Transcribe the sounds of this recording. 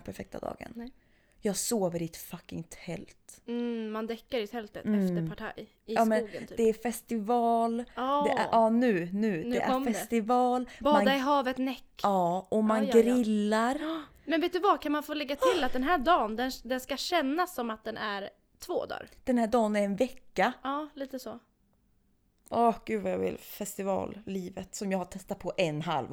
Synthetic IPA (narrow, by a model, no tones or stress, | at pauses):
pʰæɾfɛk̚t̪ʰa̰d̪ɑ̰ːɡə̰n | jɑːɡsoːvəɾɪɛt̪fakːɪ̰ŋt̪ʰhɛlt̪mand̪ɛkːaɾɪt̪ʰɛlt̪ə̰ftəɾpʰaʈʰa̰j | ɪɑːmɛnuːɡəːd̪ɛæfɛst̪ɪvɑːld̪ɛ̰ʔɑːnʉ̟ːnʉ̟ːnɛʔæ̰fɛst̪ɪvɑːlbɑmːanaɪɦɑːvət̪nɛkːɑːʔɔmanɡɾɪlːaɾ | mɛnveːt̪̚d̪ɵvakʰanmanfoːlɛɡːat̪ɪlːat̪̚d̪ɛnɦæːɖɑːnd̪ɛnd̪ɛnskaɕɛnːasːɔmat̪̚d̪ɛnʔæɾ | t̪ʰvo̰ːd̪ɑ̰ːɾd̪̥ɛnhæːɖɑːnæɾɛnvɛkːaɑːliːt̪əso | ʔɔɡ̥ʉ̟ːvajɑ̰vɪ̰lfɛst̪ɪvɑ̰ːlliːvə̰t̪sɔmjɑːɡhaʈʰɛst̪at̪̚pʰɔʔɛnːɦa̰l